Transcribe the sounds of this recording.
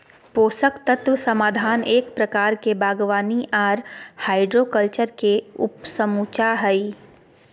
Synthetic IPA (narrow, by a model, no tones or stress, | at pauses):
poːsəkt̪ɐt̪ʋəsɐmaːd̪ʱaːneːkpɾɐkaːɾkebaːɡʋaːniʔaːɾhaːɪɖɾoːkəlt͡ʃəɾkeʊ̰psəmuːt͡ʃaːɦəi